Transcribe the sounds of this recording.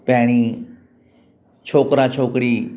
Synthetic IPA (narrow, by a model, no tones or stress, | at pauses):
pɛːɳ̃iː | t͡ʃʰoːkɾãːt͡ʃʰoːkɽiː